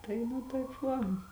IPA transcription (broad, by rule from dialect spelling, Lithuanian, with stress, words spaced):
ˈtɐɪ nʊ tɐɪp ˈʋɐ